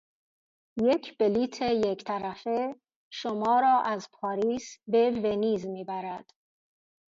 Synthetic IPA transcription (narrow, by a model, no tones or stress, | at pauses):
jecʰb̥eliːt̪ʰejekʰt̪ʰæɾæfe | ʃomɒːɾɒːʔæzpʰɒːɾiːsbeve̞niːzmiːbæɾæd̪̥